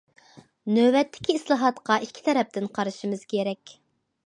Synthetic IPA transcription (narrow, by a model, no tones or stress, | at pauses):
nøbɛt̪ːɪ̥kʲʰiːslˠɑɦɑt̪qɑʔikʲʰːi̥t̪ʰɛɾɛp̚t̪ɪnqʰɑɾɨʃimɨz̥kʲʰeɾɛkʲ